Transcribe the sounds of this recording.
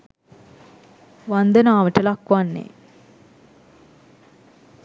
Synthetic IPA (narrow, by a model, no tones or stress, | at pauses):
ʋand̪ənaːʋəʈəlakʋanːḛ